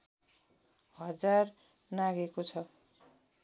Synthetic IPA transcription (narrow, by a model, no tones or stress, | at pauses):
hʌd͡zar | naɡekot͡sʰʌ